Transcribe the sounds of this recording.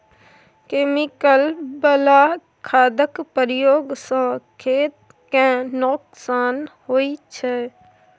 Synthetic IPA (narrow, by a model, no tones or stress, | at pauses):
keːmɪkəlbəla | kʰaːd̪əkpəɾjoːɡsə̃ːkʰeːt̪̚ | kẽnoksaːnɦoːit͡ʃʰɛ